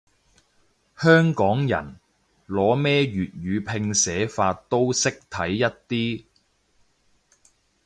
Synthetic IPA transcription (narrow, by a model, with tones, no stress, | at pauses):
hœː˥ŋkɔː˨˥ŋjɐ̰˨˩n | lɔː˨˥mɛː˥ɥyː˨t̚ɥyː˨˧pʰɪ˧ŋsɛː˨˥faː˧tt̪o˥wsɪ˥k̚t̪ʰɐ˨˥jːɐ˥t̚t̪iː˥